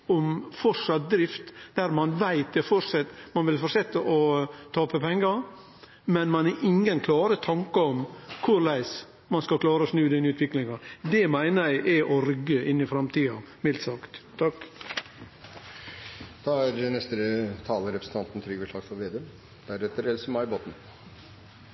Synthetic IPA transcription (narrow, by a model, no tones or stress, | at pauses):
ɔmfɔʂɑt̪̚d̪ɾɪft̪d̪̥æɾmɑnʋæɪt̪̚d̪ɛfɔɾʂɛt̪mɑnʋɪlfɔɾsɛt̪ːəʔɔt̪ʰɑːpəpʰɛŋːə | mɛnmɑnæʔɪŋənkʰlɑːɾət̪ʰɑŋkəɔmkʰʊɾlæɪs | mɑnskɑlkʰlɑːɾəɔsnʉːd̪ɛnʉːt̪ʰʋɪklɪŋɑd̪ɛmæɪnəɾæɪʔɛʔɔɾʏɡːəɪnːɪfɾɑmt̪ʰiːɑ | mɪlt̪sɑkt̪ʰːɑk | d̪̥ɑæɾnɛst̪əɾət̪ʰɑːləɾɛpɾəsn̩t̪ʰɑnt̪n̩t̪ʰɾyːɡəʂɑːɡfɔɾʋeːd̪eː | d̪̥æɾɛt̪əɾɛlsəmɑɪboːt̪n̩